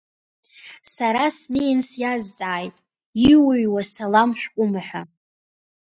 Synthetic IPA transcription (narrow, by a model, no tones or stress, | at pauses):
saɾasnejnsjazːʼaːjtʼ | iwʊɥwasalamħʷᶣkʷʼʊmaħʷᶣa